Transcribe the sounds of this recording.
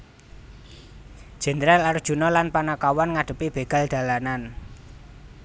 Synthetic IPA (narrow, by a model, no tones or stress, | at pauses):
ʒ̥ɛ̤nɾalard̥ʒ̥ṳnɔlanpanakawɔnŋaɖ̥ə̤pib̥e̤ɡ̥a̤ld̪̥ä̤lanan